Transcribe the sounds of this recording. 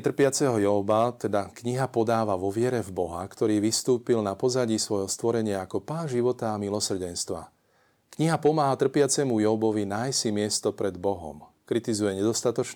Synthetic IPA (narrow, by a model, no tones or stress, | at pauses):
t̪r̩pɪat͡sɛɦɔjɔbat̪ɛd̪akɲiɦapɔd̪aːʋaʋɔʋɪɛɾɛvbɔɦa̰kt̪ɔɾiːʋist̪uːpilnapɔzaɟiːsʋɔjɦɔst̪ʋɔɾɛɲɪaːkɔpaːnʒiʋɔt̪aːmilɔsr̩ɟɛnst̪ʋa̰ | kɲiɦapɔmaːɦat̪r̩pɪat͡sɛmujɔbɔʋinajsimɪɛst̪ɔpɾɛd̪bɔɦɔ̰mkɾit̪izujɛɲɛd̪ɔst̪at̪ɔt͡ʃ